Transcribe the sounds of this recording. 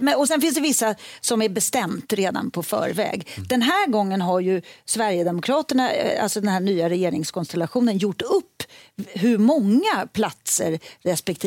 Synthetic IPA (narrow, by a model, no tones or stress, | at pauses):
mɛɔsɛnfɪnsd̪ɛvɪsːasɔmæɾbɛst̪ɛmt̪ɾeːd̪a̰npʰɔfœ̰ːɾvɛ̰ːɡd̪̥ɛnɦæːɾɡɔŋːənɦaɾjɵsvæɾjəd̪ɛmʊkʰɾɑːt̪əɳaa̰lsɔd̪ɛnɦæːɳyːaɾɛjeːɾɪŋskʰɔnst̪ɛlaɧuːnənjʊʈːɵpːɦɵɾmɔŋːapʰlat̪sə̰ɾːɛspɛkt̪ʰi